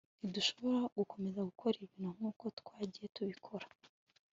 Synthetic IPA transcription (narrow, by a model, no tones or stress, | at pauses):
niduʃo̞βo̞ɾaɡ̥uko̞me̞zaɡukʰo̞ɾiβiːn̥hum̥ŋuːko̞tkwaːɟije̞tuβikʰo̞ɾḁ